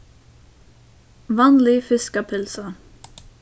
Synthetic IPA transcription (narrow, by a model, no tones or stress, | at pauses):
ʋɑːnlɪfɪskəpʰɪlsə